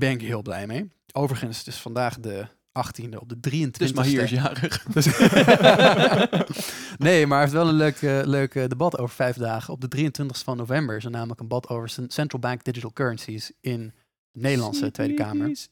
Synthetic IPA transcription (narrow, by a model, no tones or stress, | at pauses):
bɛnɪkɦɪːlˠblɛ̰jmej | owvəɹəχənsdɪsfɑndaːχdə | ʔɑχtindəɔp̚dədriəntʋɪntisjaːrəχ | nejmaɹɛftʋɛlˠə̃nløɥkəløɥkdebɑtowvəɹfɛjvdaːχəɔb̚dədrijəntʋɪntə̥χstəvɑnːovɛmbəɹɪsonaːmələkənbɑtʰowvəɹsɛntɹəl̩ˠbɛŋk̚d̥ɪd͡ʒitəlˠkøːɹənsisɪn | nejdəlɑ̰nsətʋejdəkaːməɹ